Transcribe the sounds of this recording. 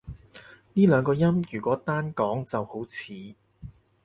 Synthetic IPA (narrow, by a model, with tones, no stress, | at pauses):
niː˥lœː˨˧ŋkɔː˧jɐ˥mjyː˨˩kʷɔː˨˥t̪aː˥nkɔː˨˥ŋt͡sɐ˨who˨˥wt͡sʰiː˨˦